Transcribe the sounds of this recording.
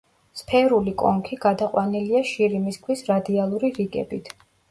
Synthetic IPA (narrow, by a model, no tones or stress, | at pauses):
spʰɛɾulikʼɔ̰ŋkʰiɡad̪aqʼwaniliaʃiɾimiskʰwisɾad̪ialˠuɾiɾiɡɛ̰bit̪ʰ